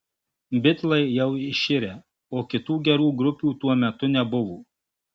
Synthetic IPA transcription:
bʲɪt̪lˠɐɪjɛʊɪʃʲɪɾʲeː | oːkʲɪt̪uːɡʲɛɾuːɡɾʊpʲuːt̪uɔmʲɛt̪ʊnʲɛbʊʋuː

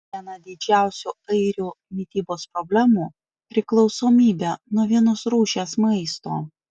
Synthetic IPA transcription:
iɛnɐd̪ʲɪd͡ʒʲæˑʊsʲuɐɪɾʲuː | mʲɪt̪ʲiːboːspɾɔbʲlʲæːmuː | pʲɾʲɪklˠɒʊsoːmʲiːbʲɛnuɔʋʲiɛnɔsɾuːʃʲeːsmɐɪst̪oː

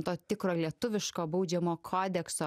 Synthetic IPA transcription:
t̪oːt̪ʲɪkɾoːlʲiɛt̪ʊʋʲɪʃkoːbɐʊd͡ʒʲɛmoːkʰoːd̪ʲɛksoː

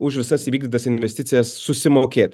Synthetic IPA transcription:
ʊʃʋʲɪsɐsiʋʲiːɡd̪ʲɪt̪ɐsɪnʲʋʲɛsʲt̪ʲɪt̪sʲɪjɛssʊsʲɪmokʲeɛt̪

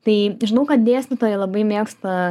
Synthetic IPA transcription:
t̪ɐɪʒʲɪnɐʊkɐt̪̚d̪ʲeːsʲt̪ʲɪt̪oːjɛlˠɐbɐɪmʲeːkst̪ɐ

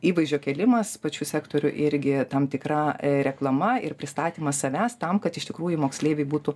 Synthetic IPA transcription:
iːʋɐɪzʒʲoːkʲɛlʲɪmɐspɐt͡ʃʲuːsʲæːkt̪oːɾʲʊʔɪɾʲɡʲɪt̪ɐmt̪ʲɪkrɐɾʲɛklˠɐmɐɪrpʲɾʲɪst̪ɑːt̪ʲiːmɐssɐʋʲæːst̪ɐmkɐt̪ɪʃt̪ʲɪkɾuːjʊmoːksʲlʲeːʋʲɛɪbuːt̪ʊ

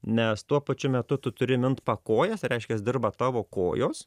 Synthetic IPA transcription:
nʲɛst̪uɔpɐt͡ʃʲʊmʲɛt̪ʊt̪ʊt̪ʊɾʲɪmʲɪnt̪pɐkoːjɛsɾʲɛɪʃʲkʲɛsd̪ʲɪrbɐt̪ɑːʋoːko̰ːjoːs

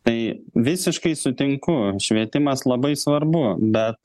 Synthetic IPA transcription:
t̪ɐɪʋʲɪsʲɪʃkɐɪsʊt̪ʲɪŋkʊʃʲʋʲiɛt̪ʲɪmɐslˠɐbɐɪsʋɐrbʊbʲɛt̪̚

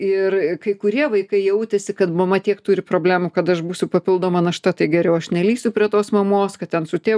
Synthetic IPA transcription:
ɪrkɐɪkʊɾʲiɛʋɐɪkɐɪjɛʊt̪ʲɛsʲɪkɐt̪mɐmɐt̪ʲiɛkt̪uːɾʲɪpɾoːbʲlʲæːmukɐt̪ɐʃbuːsʲʊpɐpʲɪlˠd̪oːmɐnɐʃt̪ɐt̪ɐɪɡʲɛɾʲɛʊɐʃnʲɛlʲiːsʲʊpʲɾʲiɛt̪oːsmɐmoːskɐt̪tʲɛnsʊt̪ʲeː

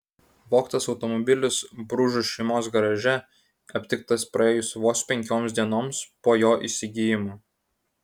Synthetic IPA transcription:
ʋoːkt̪ɐsɒʊt̪ɔmɔbʲɪlʲʊsbɾuʒʊsʃʲɛɪmoːsɡɐɾɐʒʲɛ | ɐpʲt̪ʲɪk̚t̪ɐspɾɐeːjʊsʋoːspʲɛŋʲkʲoːmsʲd̪ʲiɛnoːmspoːjoːʔiˑsʲɪɡʲijɪmoː

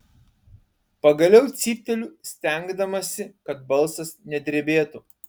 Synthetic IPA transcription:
pɐɡɐlʲɛʊt̪sʲiːp̚ʲt̪ʲɛlʲuːsʲt̪ʲɛˑŋɡd̪ɐmɐsʲɪkɐt̪̚bɐlˠsɐsnʲɛd̪ʲɾʲebʲeːt̪u

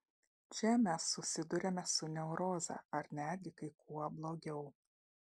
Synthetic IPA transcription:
t͡ʃʲɛmʲæsːʊsʲɪd̪ʊɾʲemʲɛsʊnʲɛʊɾoːzɐ̰ːɐɾnʲæːd̪ʲɡʲɪkɐɪkuɔblˠoːɡʲɛʊ

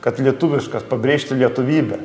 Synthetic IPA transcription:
kɐt̪lʲiɛt̪ʊʋʲɪʃkɐspɐbʲɾʲeːʃʲt̪ʲɪlʲiɛt̪ʊʋʲiːbʲɛ

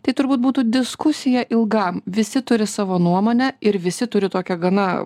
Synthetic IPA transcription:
t̪ɐɪt̪ʊɾbuːt̪̚buːt̪uːd̪ʲɪskʊsʲɪjɛʔɪlˠɡɐmʋʲɪsʲɪt̪ʊɾʲɪsɑːʋoːnuɔmoːnʲɛɪɾʋʲɪsʲɪt̪ʊɾʲɪt̪oːkʲɛɡɐnɐ

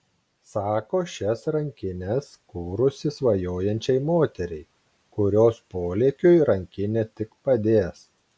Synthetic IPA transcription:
sɑːkoːʃʲɛsɾɐŋʲkʲɪnʲɛskuːɾʊsʲɪsʋɐjoːjɛnʲt͡ʃʲɛɪmoːt̪ʲɛɾʲɛɪ | kʊɾʲoːspoːlʲeːkʲʊjɾɐŋʲkʲɪnʲɛt̪ʲɪkpɐd̪ʲeːs

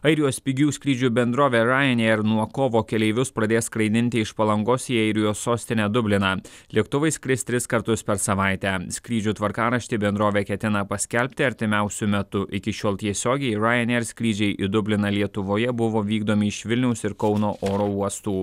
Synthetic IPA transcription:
ɐɪɾʲɪjoːspʲɪɡʲuːsʲkʲɾʲiːd͡ʒʲuːbʲɛnd̪ɾoːʋʲeːɾɑːjɛnʲɛɾnuɔkoːʋoːkʲɛlʲɛɪʋʲʊspɾɐd̪ʲeːskɾɐɪd̪ʲɪnʲt̪ʲɪɪʃpɐlˠɐŋɡoːsiːɐɪɾʲɪjoːsːoːsʲt̪ʲɪnʲæd̪ʊbʲlʲɪnɑlʲiɛkt̪ʊʋɐɪskɾʲɪst̪ʲɾʲɪskɐɾt̪ʊspʲɛɾsɐʋɑˑɪt̪ʲæːsʲkʲɾʲiːd͡ʒʲuːt̪ʋɐɾkɑːɾɐʃʲt̪ʲɪbʲɛnd̪ɾoːʋʲeːkʲɛt̪ʲɪnɐpɐsʲkʲɛlʲpʲt̪ʲɪɐɾʲt̪ʲɪmʲæʊsʲʊmʲɛt̪ʊʔɪkʲɪʃʲoːlˠt̪ʲiɛsʲoːɡʲɛɪɾɑːjɛnʲeɾsʲkʲɾʲiːd͡ʒʲɛɪʔɪd̪ʊbʲlʲɪnɐlʲiɛt̪ʊʋoːjɛbʊʋoːʋʲiːɡd̪oːmʲɪɪʃʋʲɪlʲnʲɛʊsɪɾkɒʊnoːʔoːɾoːuɔst̪uː

